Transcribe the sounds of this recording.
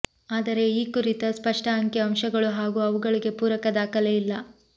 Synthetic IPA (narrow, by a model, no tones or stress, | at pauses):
aːd̪ɐɾe̞iːkuɾit̪ɐspɐʂʈɐɦɐŋkeɐmʃɐɡɐɭuɦaːɡuɐʋuɡɐɭiɡe̞puːɾɐkɐd̪aːkɐleilːɐ